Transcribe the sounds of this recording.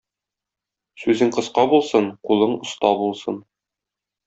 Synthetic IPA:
sʉzɘŋqɤ̆sqɑbulˠsɤɴqulˠɤɴŏst̪ɑbulˠsɤn

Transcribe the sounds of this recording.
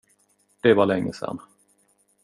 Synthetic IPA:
d̪̥ɛvalɛŋːəsɛ̰nː

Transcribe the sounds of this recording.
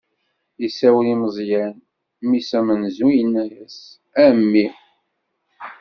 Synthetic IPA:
əsæwəliməzˤjæn | misæmənzujənːæjæs | æmːi

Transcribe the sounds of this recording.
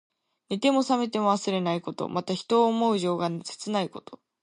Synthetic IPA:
nit̪e̞mo̞same̞t̪̬e̞mo̞βasɨɾe̞naiko̞t̪o̞̰mat̪açi̥t̪o̞ːmo̞ɯ̟ʑo̞ːɡanse̥t͡sɨnaiko̞̥t̪o̞

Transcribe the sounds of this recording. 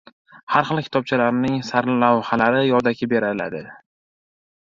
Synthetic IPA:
haɾχɨlˠkʲʰɪ̥t̪ʰɒb̚t͡ʃʰalaɾɪnɪŋsaɾlawhalaɾɪjɒd̪akʲʰɪbe̞ɾala̰d̪ɪ

